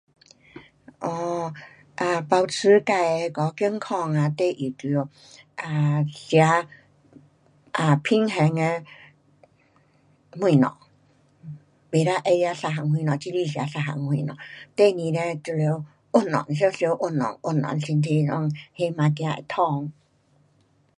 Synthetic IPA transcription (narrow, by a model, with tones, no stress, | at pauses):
ʔɔ˧ | ʔa˧˩pa˧wt͡sʰɨ˧˦ka˧jkɔ˨˧˦ki˧˦əŋkʰɔ˧ŋa˧t̪e˥˧˨ʔi˨˩t̪i˧o˧˩ | a˧˩sja˧˦ | ʔa˨˩pʰi˧ŋɦɛ˧ŋe˧ | mwĩ˧˨nɔ̰̃˨ | be˨ɾa˦ʔe˧ja˧sa˧ɦa˨ŋhw̃ĩ˧nɔ̃˨t͡ɕi˧˦li˧˨ɕja˧sa˧˩ɦa̰˨˩ŋhĩ˧˨nɔ̰̃˨t̪e˥˧˨nĩ˧ɾɛ˧t͡ɕu˧le˧˦w | ʔʊ˧˩nːɔ̰˨ns̬je˧˦sjo˧wʔo˧˩nːɔ̰˨ŋʔʊ˧˩nːɔ̰˨nsi˧nt̪ʰi˧lɔ˧˦ŋhe˧˦mã˧k̬ã˧ḛ˧˩t̪ʰɔ˧ŋ